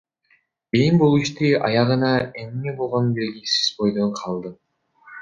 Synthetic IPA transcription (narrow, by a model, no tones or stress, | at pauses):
ejmbolˠiʃt̪iʔɑjɑʁɯnɑennebo̞lˠʁo̞nbe̞lɡisi̥z̥bo̞jd̪oɴqʰɑlˠd̪ɯ